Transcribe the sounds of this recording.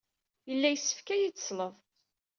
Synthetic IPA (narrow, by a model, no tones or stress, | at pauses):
jəlːæjəsːə̥fkæjit͡sːsləvˤ